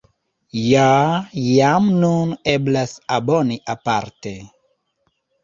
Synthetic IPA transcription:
jajamnuneblasaboniʔapaɾte

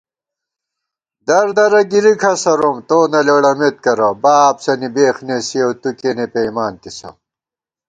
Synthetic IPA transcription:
d̪ɐɾd̪ɐɾɐɡiɾikʰɐsɐɾomt̪oːnɐleɽɐmet̪̚kɐɾɐbaːpsɐnibeːxnesiɐwt̪ukenepejmaːnt̪isɐ̰m

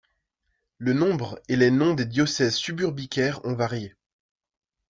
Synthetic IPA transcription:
lənɔ̃bʁelenɔ̃d̪ed̪jɔsɛzsybyʁbikʲɛʁɔ̃vaʁje

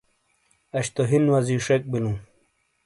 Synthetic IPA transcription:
ɐɕt̪oɦinwɐziʂek̚bilũː

